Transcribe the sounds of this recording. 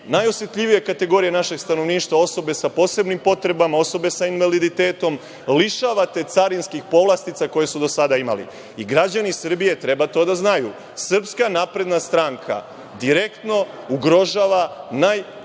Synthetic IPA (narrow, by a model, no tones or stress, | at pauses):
najo̞sje̞t̪ʎiʋije̞kat̪e̞ɡo̞ɾijenaʃe̞ɡst̪ano̞ʋniːʃt̪ʋao̞so̞be̞sapo̞ːse̞bnimpo̞t̪ɾe̞bamao̞so̞be̞sainʋalid̪it̪e̞ːt̪o̞m | liʃaʋat̪e̞t̪saɾinskixpo̞ʋlˠast̪it̪sako̞je̞sud̪o̞sad̪aima̰lḭ | iɡɾad͡ʑanisr̩bije̞t̪ɾe̞bat̪o̞d̪aznaju | sr̩pskanapɾe̞d̪nast̪ɾaŋkʰa̰ | d̪iɾe̞kt̪no̞ | uɡɾo̞ʒaːʋanaj